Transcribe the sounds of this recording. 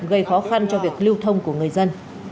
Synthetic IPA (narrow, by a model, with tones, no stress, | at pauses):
ɣə˧jxɔ˨˦xa˧nt͡ɕɔ˧vi˨˩ək̚li˧wt̪ʰə˧wŋ͡mku˧˩əŋɨ˨˩əjzə˧n